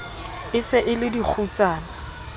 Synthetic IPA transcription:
ɪsɪʔɪlɪdik͡xʰut͡saːna

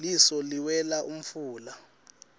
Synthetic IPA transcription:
lisɔliwɛlaʔum̩fuːla

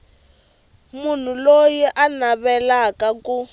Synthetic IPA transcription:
mun̤ulojiʔanaβɛlakaku

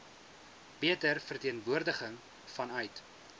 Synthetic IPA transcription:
b̥iətərfərtiənvuərdəχəŋ | fɐnœɥt

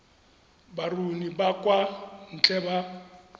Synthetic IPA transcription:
barunibakʼwan̩t͡ɬʼɛba

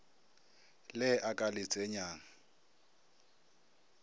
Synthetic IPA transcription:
lɛʔakʼalɪt͡sʼɛɲaːŋa

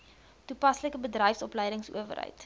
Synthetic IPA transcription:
tupɐsləkəbədrəjfsɔpləjdəŋsṵəvə̰rɦə̰jt

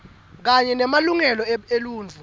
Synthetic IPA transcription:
k̬aɲɛnɛmaluŋɛlɔeluːnd͡ɮʱu

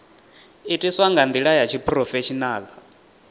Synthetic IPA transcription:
itʼiswaŋɡand̪iɺajat͡ʃʰipʰʼrɔfɛt͡ʃʰinaːla

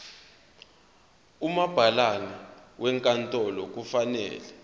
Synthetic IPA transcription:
umab̥ʱalanawʔɛŋkʼantʼɔlɔk̬ufanɛ̰ːlɛ

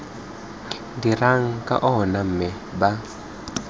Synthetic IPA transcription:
diraŋ̩kʼa̰ʔɔɦɔnam̩mɛ | ba

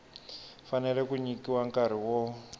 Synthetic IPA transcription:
fanɛlɛkuɲikiwaŋkaɾ̤iwɔ

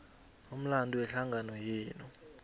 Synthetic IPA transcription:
um̩landʱuwɛɬaŋɡʱanɔjɛːnɔ

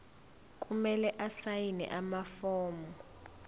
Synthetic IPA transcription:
k̬ʼumɛlɛʔasajinɛ̰ʔamafɔːmɔ

